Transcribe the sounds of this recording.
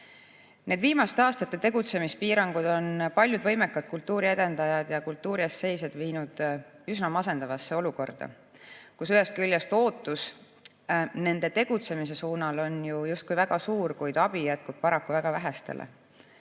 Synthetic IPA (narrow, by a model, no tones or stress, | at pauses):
nʔe̞d̪̥viːmɑst̪eɑːst̪ɑt̪ːˑe̞t̪e̞ɡ̥ut̪se̞mispiːɾɑŋɡ̥ud̪̥o̞npɑlʲjud̪vɤ̞jme̞kːˑɑd̪̚kult̪ːuːɾie̞d̪̥e̞nd̪̥ɑjɑd̪̥jɑkult̪ˑːuːɾiesːe̞jsed̪viːnud̪̥ysnɑmɑse̞nd̪̥ɑvɑsːeo̞luko̞rd̪̥ɑ̰ | kusyɦe̞st̪kylʲjɑst̪o̞ːt̪ːˑus | ne̞nd̪̥e̞t̪e̞ɡ̥ut̪se̞mis̬e̞suːnɑlo̞njujust̪̚kujvæɡ̥ɑsuːɾkujd̪̥ɑb̥ijæt̪̚kub̥̚pɑɾɑkːuvæɡ̥ɑvæɦæst̪ḛlʔḛ